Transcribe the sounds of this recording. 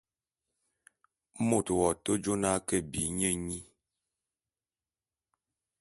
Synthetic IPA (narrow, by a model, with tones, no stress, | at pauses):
mo˦˨twɔ˨to˦d͡ʒo˦na˦kə˦˨bi˨˦ɲə˦˨ɲi˦